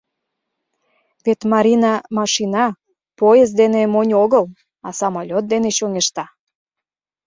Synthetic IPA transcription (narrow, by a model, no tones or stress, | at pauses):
βet̪mɑɾʲinɑmɑʃinɑ | pojez̬d̪enemonʲoɣəl | ɑsɑmolʲot̪̚d̪eneɕoŋeʃt̪ɑ